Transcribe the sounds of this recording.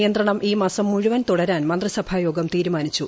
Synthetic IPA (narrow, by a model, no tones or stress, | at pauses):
jɐnd̪rɐɳɐmʔiːmaːsɐmːuɻuʋɐnt̪uɽɐɾaːnmɐnd̪rɐsɐbʱaːjo̞ːɡɐmt̪iːɾumaːnit͡ɕːu